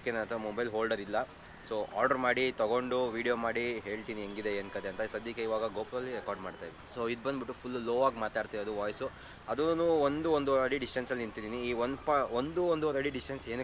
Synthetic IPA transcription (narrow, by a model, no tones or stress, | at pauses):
kenɐɐnt̪ɐɐmobɐjlɦoːlɖɐɾilːɐ | soːʔa̰ːɾɖɐɾmaːɽit̪ɐɡo̞ɳɖuʋiːɖijoːmaːɽiɦe̞ːɭt̪iːniɦeŋɡid̪eeːnkɐt̪eɐnt̪ɐsɐd̪jɐkeiʋaːɡɐɡoːpɾɐlːiɾekaːɾɖmaːɖt̪aːjd̪ɐɾisoːid̪bɐnd̪biʈːupʰulːoːʋaːɡmaːt̪aːɽt̪ideɐd̪uʋaːjsu | ɐd̪unːuːond̪uond̪uɾɐɽiɖisʈɐnsɐlːniɳt̪id̪iːniiːond̪paond̪uond̪uɔɾɐɽiɖisʈɐnseːn